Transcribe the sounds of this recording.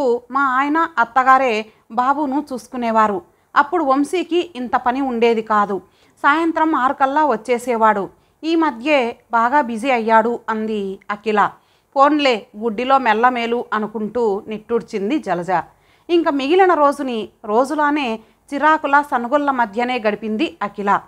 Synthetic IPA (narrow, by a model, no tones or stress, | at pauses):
umaːaːjɐnɐɐt̪ːɐɡaːɾe̞ː | baːbuːnut͡ʃuːsu̥kunɛːʋaːɾu | ɐpːuɽuomsiːkiʔint̪ɐpɐniuɳɖe̞ːd̪ikaːd̪u | saːjɐnt̪ɾɐmaːɾukɐlːaːʋɐt͡ʃːeːsɛːʋaːɽu | iːmɐd̪ʱjeːbaːɡaːbid͡ʒiɐjːaːɽuɐnd̪iɐkilɐ | po̞ːnle̞ːɡuɖːilo̞ːmɛlːɐme̞ːluʔɐnukuɳʈuːneʈːuɽt͡ʃind̪id͡ʒɐlɐd͡ʒɐ | iŋkɐmiɡilɐnɐɾo̞ːd͡ʒuniɾo̞ːd͡ʒuloːne̞ː | t͡ʃiɾaːkulɐsɐnuɡɔlːɐmɐd̪ʱjɐne̞ːɡɐɽipind̪iɐkilɐ